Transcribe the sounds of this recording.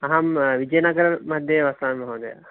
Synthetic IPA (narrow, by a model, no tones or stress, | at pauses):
ɐɦɐmʋid͡ʒɐjnaɡɐɾɐmɐd̪ʱjeʋɐsaːnmɐɦoːd̪ɐja̰